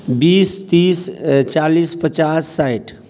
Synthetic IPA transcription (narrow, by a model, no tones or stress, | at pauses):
bist̪ist͡ʃalispət͡ʃasːajʈ